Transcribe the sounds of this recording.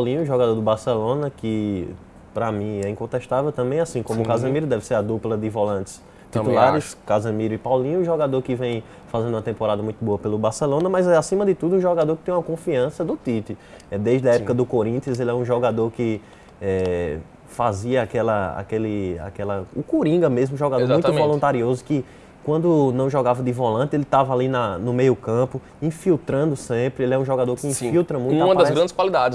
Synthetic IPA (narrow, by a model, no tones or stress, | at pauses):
pawlĩɲʊʒɔɡad̪oɾd̪ʊbaɾsɛlõnɐkɪ | pɾamĩɛĩkõt̪ɛʃt̪avɛwt̪ɐ̃mbẽj̃asĩkõmʊkazɐ̃miɾʊd̪ɛvɪseɾad̪uplɐd̪ɪvolɐ̃nt̪ɪ̥s | t̪iulaɾɪskazɐ̃miɾʊɪpawlĩɲʊʒɔɡad̪oɾkɪvẽj̃ | fazẽd̪ũɐt̪ẽmpoɾad̪ɐmũj̃t̪ʊboɐpelʊbaɾsɛlõnɐmɐjzɛasĩmɐd̪ɪt̪ud̪ʊũʒɔɡad̪oɾkɪt̪ẽj̃ũɐkõfiɐ̃sɐd̪ʊt̪it̪ɪɛd̪ejzdɪɐɛpukɐd̪ʊkoɾĩt̪ɪɐzelɪɛũʒɔɡad̪oɾkɪ | ɛ | faziɐakɛlɐa̰kelɪa̰kɛlɐʊkuɾĩɡɐmezmʊũʒɔɡad̪oɾzaũṽvɔ̃lũnt̪aɾiozʊkɪ | kwɐ̃nd̪ʊnɐ̃w̃ʒɔɡavɐd̪ɪvɔlɐ̃nt̪ɪelɪt̪avɐalinɐnʊmejʊkɐ̃pʊ | ĩfiwt̪ɾɐ̃nd̪ʊsẽpɾɪelɪɛũʒɔɡad̪oɾkɪĩfiwt̪ɾɐmũtuãmɐd̪ɐzɡɾɐ̃nd̪ɪskwalid̪ad͡ʒɪ